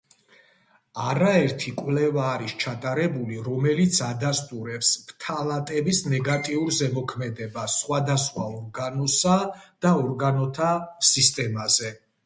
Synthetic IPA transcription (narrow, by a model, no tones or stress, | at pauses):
aɾaɛɾt̪ʰikʼwlɛvaːɾist͡ʃʰat̪ʼaɾɛbuliɾɔmɛlit̪sʰad̪ast̪ʼuɾɛpspʰt̪ʰalat̪ʼɛbisnɛɡat̪ʼiuɾzɛmɔkʰmɛd̪ɛbassχwad̪asχwaɔɾɡanɔsad̪̥aɔɾɡanɔt̪ʰasist̪ʼɛmazɛ